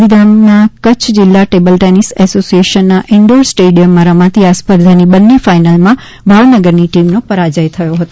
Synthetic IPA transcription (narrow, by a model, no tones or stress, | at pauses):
id̪amnakət͡ʃʰd͡ʒɪlːaʈebəlʈenisɛsosieʃənːaʔɪɳɖəɾsʈeɖijəmːãɾəmãt̪iaspəɾd̪ʱanibənːefainalmã | bʱaʋnəɡəɾniʈimnopəɾad͡ʒəjt̪ʰəjoɦət̪o